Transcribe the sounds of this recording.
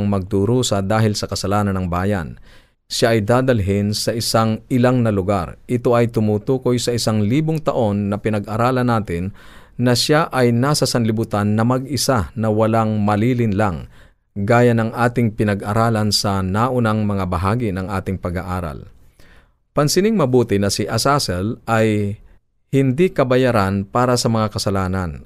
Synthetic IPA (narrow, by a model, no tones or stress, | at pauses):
ŋmɐɡ̚d̪uɾuːsɐd̪aːɦɪlsɐkɐsɐlaːnɐnɐŋbaːjɐ̰n | ʃaʔɐjd̪aːd̪ɐlɦɪnsɐʔɪsaŋʔɪlaŋnɐlʊɡa̰ɾʔɪt̪o̞ʔɐjt̪ʊmut̪uːko̞jsɐʔɪsaŋliːboŋt̪ɐʔo̞nːɐpɪnɐɡʔɐɾaːlɐnaːt̪ɪnːɐʃaʔɐjnaːsɐsɐnlɪbʊt̪anːɐmɐɡʔɪsanɐwɐlaŋmɐliːlɪnlaŋ | ɡaːjanɐŋʔaːt̪ɪŋpɪnɐɡʔɐɾaːlɐnsɐnaʔʊnaŋmɐŋabɐɦaːɡɪnɐŋʔaːt̪ɪŋpɐɡaʔaːɾɐ̰l | pɐnsɪnɪŋmɐbuːt̪ɪnɐsɪʔɐsasɛlʔɐj | hɪnd̪ikɐbɐjaɾanpaːɾɐsɐmɐŋakɐsɐlaːnɐn